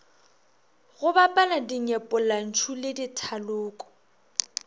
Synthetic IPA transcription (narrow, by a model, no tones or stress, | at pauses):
ɣʊbapʼaladiɲɛpʼɔlan̩t͡ʃʰulɪditʰalʊːkʼɔ̥